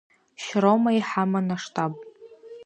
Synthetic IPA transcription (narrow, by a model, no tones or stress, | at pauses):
ʃɾomaiħamanaʂtʼʰapʼ